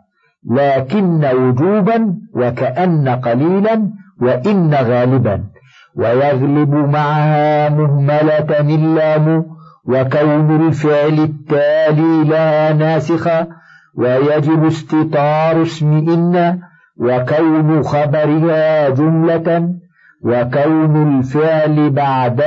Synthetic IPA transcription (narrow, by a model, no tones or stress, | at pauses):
laːkɪnːawʊd͡ʒuːbanwakaʔanːaqɑliːlanwaʔɪnːaɣaːlɪba̰n | wajɑɣlɪbʊmaʕahaːmʊhmalanɪlːaːmʊwakawnalfɪʕlɪt̪ːaːliːlahaːnaːsɪxa | wajad͡ʒɪbʊst̪ɪt̪ˤɑːɾˤʊsmɪʔɪnːa | wakawnʊxɑbɑɾɪhaːd͡ʒʊmla | wakawnalfɪʕlɪbaʕd̪